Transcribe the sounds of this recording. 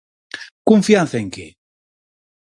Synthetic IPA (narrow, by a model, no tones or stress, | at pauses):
kuɱfjanθeŋke